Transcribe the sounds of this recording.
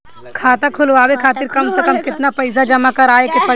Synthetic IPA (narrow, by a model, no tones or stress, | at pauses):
kʰaːt̪akʰʊlʋaːwekʰaːt̪ɪɾkɐmsekəmkɪt̪napɐɪs̬ad͡ʒɐmakɐɾaːekepɐ